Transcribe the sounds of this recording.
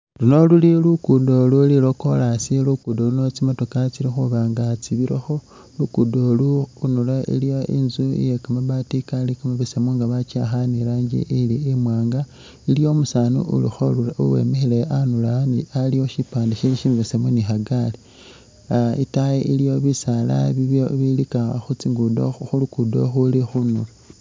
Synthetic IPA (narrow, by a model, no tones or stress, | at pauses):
luno̞lulilukudolulilo̞ko̞lasilukudolunot͡simo̞to̞kat͡siɾixuβaːŋɡat͡siβiɾexo̞ | lukudoluːnulaḭlijoḭnzuḭjekamaβatikalikamaβesemuŋɡaβat͡ʃaxaniɾaːɲɟḭʔiliemwaːŋɡa | ilio̞musaːnṵʔṵlixoluaṵwḛmexeleʔanulanialioʃipaːndiʃiʃiniβesemunixaɡali | ḭtajeʔilijo̞βisala̰βiβoβilikaxut͡siŋɡudo̰xulukudo̞̰xulixunṵla